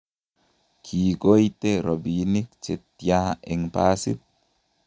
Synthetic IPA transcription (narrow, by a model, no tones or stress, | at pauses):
kʰiːɡojt̪eɾobinikt͡ʃet̪ːijaɛŋpaːsḭt̪̚